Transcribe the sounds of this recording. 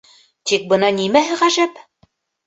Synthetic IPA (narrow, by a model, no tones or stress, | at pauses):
t̪ik̚bɤ̆nɑnimæɦɘʁæʒæp